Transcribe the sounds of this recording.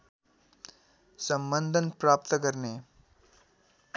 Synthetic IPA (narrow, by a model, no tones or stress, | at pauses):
sɐmbənd̪ʱənpɾaːp̚t̪əkɐɾneː